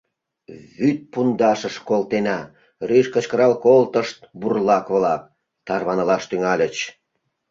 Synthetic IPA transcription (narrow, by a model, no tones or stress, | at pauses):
βyt̪̚pund̪ɑʃəʃkolt̪enɑ | ryʃkət͡ɕkəɾɑlkolt̪əʃt̪̚burlɑkβlɑk̚ | t̪ɑrβɑnəlɑʃt̪yŋɑlʲət͡ɕ